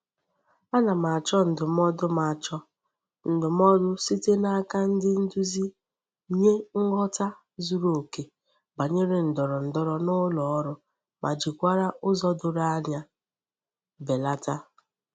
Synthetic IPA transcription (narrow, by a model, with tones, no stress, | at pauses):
a˦na˨ma˨t͡ʃɔ˦n̩˨dʊ˨m˦ɔ˦dʊ˦ma˨t͡ʃɔ˦ | n̩˨dʊ˨m˦ɔ˦dʊ˦si˦te˦na˦a˦ka˦n̩˦dɪ˦n̩˦du˦zi˦ | ɲe˦ŋ̩˦ɡɔ˦ta˦ | zu˦ɾo˨ke˨ | ba˨ɲe˦ɾe˨n̩˨dɔ˨ɾɔ˨n̩˨dɔ˦ɾɔ˨nʊ˦lɔ˨ɔ˦ɾʊ˦ | mʔa˨d͡ʒi˨kʷa˦ɾa˦ʔʊ˦zɔ˦dʊ˨ɾa˦a˦ɲa˦ | be˨la˦ta˦